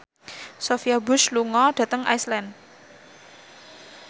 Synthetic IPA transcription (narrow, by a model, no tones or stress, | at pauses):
sofiabʊsluŋɔɖ̥ä̤t̪əŋʔa̰islɛn